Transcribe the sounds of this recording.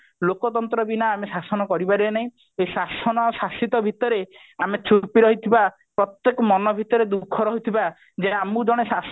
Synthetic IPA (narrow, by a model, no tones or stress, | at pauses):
lokɔt̪ɔnt̪ɾɔbinaamesasɔnɔkɔɾibaɾienaɦĩ | esasɔnɔsasit̪ɔbʱit̪ɔɾe | amet͡ʃupiɾɔɦit̪ʰiba | pɾɔt̪jekɔmɔnɔbʱit̪ɔɾed̪ukʰːɔɾɔɦit̪ʰiba | d͡ʒeamud͡ʒɔɽ̃esas